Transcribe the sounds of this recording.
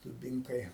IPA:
dʊˈbʲɪŋkɐɪ

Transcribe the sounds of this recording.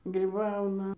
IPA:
ɡrʲiːˈbɐʊnɐ

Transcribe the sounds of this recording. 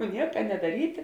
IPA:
ˈnʲiɛkɐ nʲɛdɐˈrʲiːtʲɪ

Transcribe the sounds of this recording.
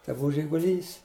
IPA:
tɐɪ ˈbʊʋʊ ʒʲɪɡʊˈlʲiːs

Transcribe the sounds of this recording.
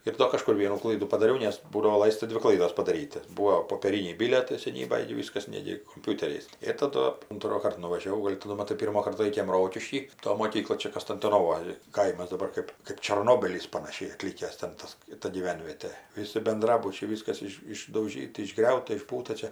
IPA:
ɪr ˈdoː kɐˈʃkʊr ˈʋʲiɛnuː ˈklˠɐɪduː pɐdɐˈrʲɛʊ nʲɛs ˈbuːdɐʋoː ˈlˠɐɪstɐ ˈdʲʋʲɪ ˈklˠɐɪdoːs pɐdɐˈrʲiːtʲ tʲɪ ˈbuːoː poːpʲeːˈrʲiːnʲɛɪ ˈbʲɪlʲiɛtɐɪ sʲɛˈnʲiːbɐj ɡʲɪ ˈʋʲɪskɐs ˈnʲæːɡʲɪ koːmʲˈpʲʊtʲɛrʲɛɪs ɪr tɐˈdʊ ʊntroːˈkɐrt nʊʋɐʒʲɛˈʋɐʊ ˈɡoːlʲ tʲɪ nʊ mɐˈtɐɪ ˈpʲiːrmoːkɐrt ˈlˠɐɪkʲeːm ˈroːkʲɪʃʲkʲiː ˈtoː moːˈkʲiːklˠoːj ˈt͡ʃʲɛ kɐsʲtʲɪntoːnoːˈʋoːj ˈkɐɪmɐs dɐˈbɐr kɜp kɜp t͡ʃɐrˈnoːbʲiːlʲiːs pɐnɐˈʃʲɛɪ ɐˈtʲlʲiːkʲæːs tʲɛn ˈtɐs ˈtɐ ɡʲiːˈʋʲɛnʲʋʲiɛtʲeː ˈʋʲɪsʲɪ bʲɛnˈdrɑːbʊt͡ʃʲɛɪ ˈʋʲiːskɐs ˈɪʃ ɪʒdɐʊˈʒʲiːtɐ ɪʒˈɡrʲɛʊtɐ ɪʒˈbuːtɐ ˈt͡ʃʲɛ

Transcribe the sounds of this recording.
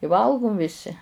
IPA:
ɪ ˈʋɐlˠɡʊm ʋʲɪˈsʲɪ

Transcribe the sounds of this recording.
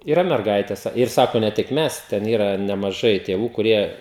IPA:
iːˈrɐ mʲɛrˈɡɐɪtʲɛs ɪr ˈsɑːkoː nʲɛ ˈtʲɪk ˈmʲɛs ˈtʲɛn ˈiːrɐ nʲɛmɐˈʒɐɪ tʲeːˈʋuː kʊˈrʲiɛ

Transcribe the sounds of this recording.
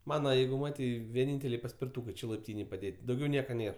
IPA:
ˈmɑːnɐ ˈjɛɪɡʊ ˈmɑːtʲɛɪ ʋʲiɛˈnʲiːnʲtʲɛlʲɛɪ pɐsʲpʲɪrtuːkɜ ˈt͡ʃʲɛ lˠɐɪpʲˈtʲiːnʲeːj pɐˈdʲeːtʲ dɐʊˈɡʲɛʊ ˈnʲeːr

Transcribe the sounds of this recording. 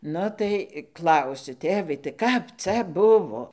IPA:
ˈnʊ tɐɪ ˈklˠɐʊsʲʊ ˈtʲeːʋɐɪ tɐɪ ˈkɐp ˈt͡sʲɛ ˈbʊʋoː

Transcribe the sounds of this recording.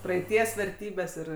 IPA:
prɐɛɪˈtʲiɛs ʋʲɛrʲˈtʲiːbʲɛs ˈɪr

